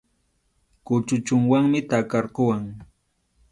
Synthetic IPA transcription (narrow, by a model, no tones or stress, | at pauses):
kʊt͡ʃʊt͡ʃʊŋwaŋmɪt̪akɑɾɢʊwaŋ